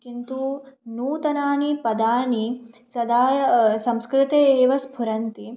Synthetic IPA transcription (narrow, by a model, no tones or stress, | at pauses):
kint̪unuːt̪ɐnaːnipɐd̪aːnisɐd̪aːsɐmskɾɪt̪eeːʋɐsbʱuɾɐnt̪i